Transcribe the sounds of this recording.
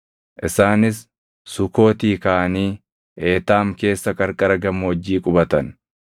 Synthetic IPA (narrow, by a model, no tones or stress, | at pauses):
ʔɪsaːnɪsː | ʊko̞ːt̪iːkaːʔɐniː | ʔeːt̪aːmke̞ːsːɐkʼɐɾkʼɐɾɐɡɐmɔd͡ʒːiːkʼʊbɐt̪ɐn